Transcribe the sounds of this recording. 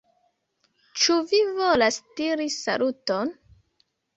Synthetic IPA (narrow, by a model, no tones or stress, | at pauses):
t͡ʃuvivolasdiɾisa̰luton